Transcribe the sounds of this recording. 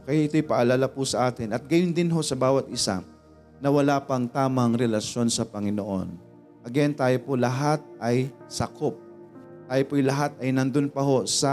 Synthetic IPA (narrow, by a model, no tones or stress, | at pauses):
kɐjaʔɪt̪o̞jpɐʔɐlaːlapʊsɐʔaːt̪ɪnʔɐt̪̚ɡɐjond̪ɪnɦo̞sɐbaːwɐt̪ʔɪsa̰ | nɐwɐlapɐŋt̪aːmɐɐŋɾɛlɐʃjo̞nsɐpɐŋɪnoʔo̞̰n | ʔɐɡɛnt̪aːjopolɐɦat̪̚ʔɐjsɐkʰop̚ | t̪aːjopojlɐɦat̪̚ɐjnɐnd̪onpɐɦo̞sɐ